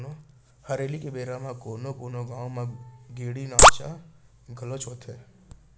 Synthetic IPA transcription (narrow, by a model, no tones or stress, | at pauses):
no | hɐɾeːlikebeːɾamãkoːnokoːnoɡaːõmãɡeːɽinaːt͡ʃa | ɡʱɐlot͡ʃʰoːt̪ʰe